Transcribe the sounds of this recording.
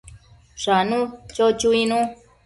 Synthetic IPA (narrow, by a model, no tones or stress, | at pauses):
ʂanũt͡ʃot͡ʃuinũ